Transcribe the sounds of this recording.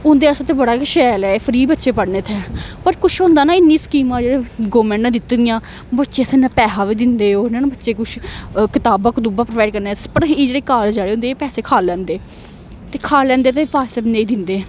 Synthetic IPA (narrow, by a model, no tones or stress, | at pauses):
ʊ̃nd̪eːəsat̪eːbəɽaːkːʃɛːlɛːpʰəɾiːbətːʃeːpəɽneːt̪ʰɛːpəɾkʊʃʰɦõːnd̪aːnaːɪnːĩːskiːmãːd͡ʒeːɽeːɡoːmɛ̃ːɳʈnãːd̪ɪt̪ːd̪ɪjãː | bətːʃeːsẽːnãːpɛːɦaːʋiːd̪ɪnd̪eːoːnẽːnabətːʃeːkʊt͡ʃʰkɪt̪aːbãːkʊt̪uːbaːpɾəʋaːɪɖ̚kəɾneːspəɾɦiːd͡ʒeːɽeːkaːld͡ʒaːɽeːʊ̃nd̪eːpɛːseːkʰaːlːɛ̃ːnd̪eː | t̪eːkʰaːlɛ̃ːnd̪eːt̪̬eːpaːsɛːbnẽiːd̪ɪnd̪eː